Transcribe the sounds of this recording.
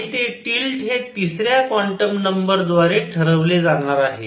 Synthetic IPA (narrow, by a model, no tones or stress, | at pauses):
t̪eʈilʈɦet̪isɾjakʋɔɳʈəmnəmbəɾd͡zʋaɾeʈʰəɾəʋled͡zaɽ̃aɾaɦḛ